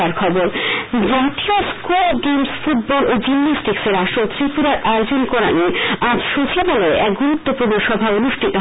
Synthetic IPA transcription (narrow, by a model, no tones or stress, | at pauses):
aɾkʰɔboɾd͡ʑaʈioskuɡemsfuʈ̚bɔlʔod͡ʑinasʈikseɾaʃot̪ɾipuɾaɾʔajod͡ʑonkoɾa̰niãd͡ʑʃot͡ɕʰaboleʔɛk̚ɡuɾut̪ːopuɾnoʃɔbʱaonuʃʈʰit̪o